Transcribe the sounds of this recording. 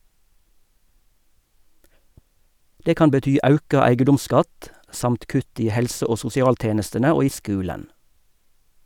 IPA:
ˈdeː ˈkɑːn bəˈtyː ˈɑʉkɑ ˈæɪɡədʊmˌskɑt ˈsɑmt ˈkʉt ˈiː ˈhɛlsə ˈoː sʊsɪˈɑːlˌteːnəstənə ˈoː ˈiː ˈskʉːlən

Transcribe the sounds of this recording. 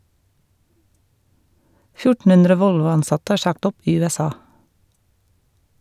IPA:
ˈfjʊʈn̩ ˈʉndɾə ˈʋɔlʋʊɑnˌsɑtə ˈæː ˈʃɑkt ˈɔp ˈiː ˌʉːɛˈsɑː

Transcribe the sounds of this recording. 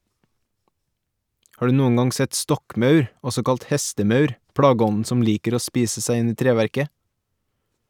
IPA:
ˈhɑː ˈɖʉː ˈnuːəŋ ˈɡɑŋ ˈsɛt ˈstɔkˌmœʉɾ ˈɔsɔ ˈkɑlt ˈhɛstəˌmœʉɾ ˈpɽɑːɡəˌɔnn̩ ˈsɔm ˈliːkəɾ ˈoː ˈspiːsə ˈsæɪ ˈɪn ˈiː ˈtɾeːʋæɾkə

